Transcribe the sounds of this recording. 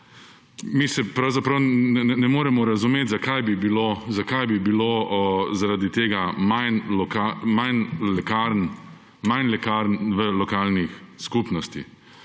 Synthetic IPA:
misɛpɾawzapɾawnɛɛnɛmoːɾɛmɔɾazumeːt̪zakajbibilozakajbibilozaɾad̪it̪eːɡamajnlɔkamajnlɛkaɾn | majnlɛkaɾnʋəlɔkaːlnixskupnɔst̪i

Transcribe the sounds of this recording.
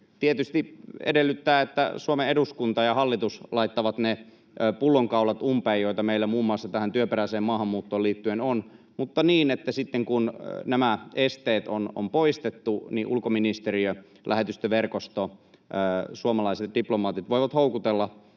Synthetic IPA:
t̪iet̪yst̪iḛdelːyt̪ːæːet̪ːæ̰suomeeɾuskunt̪ɑjɑhɑlːit̪uslɑit̪ːɑʋɑt̪ne | pulːoŋkɑˑuwlɑt̪umpeːjoit̪ɑmeilːæmuːmːuɑˑsːɑt̪æhænt̪yøperæiseːmmɑːhɑmːuːt̪ːoːliːt̪ːyenon | mut̪ːɑniːnet̪ːæsit̪ːeŋkunnæmæest̪eːt̪o̰no̰mpoist̪et̪ːuniʔulkominist̪eriø | lʔæhet̪yst̪øʋerkost̪o | suomɑlɑiset̪̚diplomɑːt̪it̪ʋoiʋɑt̪houkut̪elːɑ

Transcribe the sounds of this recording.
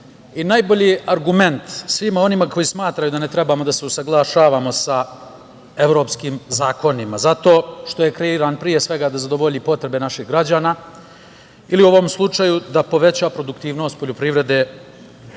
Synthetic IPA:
inajboʎiaɾɡume̞nt̪sʋimo̞nimako̞jismaːt̪ɾajud̪ane̞t̪ɾe̞bamo̞d̪ase̞usaɡlˠaʃaːʋaːmo̞sa | e̞ʋɾo̞ːpskimzaːko̞nimazat̪o̞ːʃt̪o̞jekɾe̞iɾaːnpɾije̞sʋe̞ɡaːd̪azad̪o̞ʋoʎipo̞t̪ɾe̞be̞naʃixɡɾad͡ʑaːnaː | iliuo̞ʋo̞mslˠut͡ʂajud̪apo̞ʋe̞t͡ɕapɾo̞d̪ukt̪iːʋno̞st̪̚poʎupɾiʋɾe̞d̪e̞ː

